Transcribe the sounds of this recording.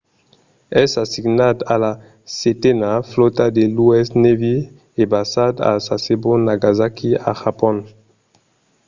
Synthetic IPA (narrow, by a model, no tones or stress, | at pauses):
ɛsasiɡnadala | setenaflotadeluɛsnevi | ebasada̰sasebonaɡazakia̰xapɔ̃n